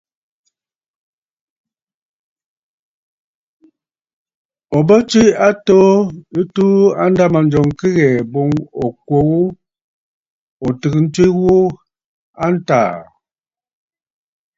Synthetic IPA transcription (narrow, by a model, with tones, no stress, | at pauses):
ɔ˨bə˦t͡ʃi˦a˦to˦i˦tu˦a˦n˦da˦ma˨n˨d͡ʒɔ˨ŋki˦ɣɛ˨bo˦ŋɔ˨kwo˦wu˦ | ɔ˨tɨ˨kn̩˦ti˦wu˦ | a˦n̩˦ta̰ː˨